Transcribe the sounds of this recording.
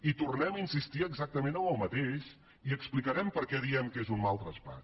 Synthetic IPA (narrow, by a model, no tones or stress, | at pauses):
it̪urnɛməinsist̪iəɡzak̚t̪əmenəmbəlˠmət̪eʃ | iəksplikəɾɛmpəɾkɛðiɛmkezunmalˠt̪ɾəspa̰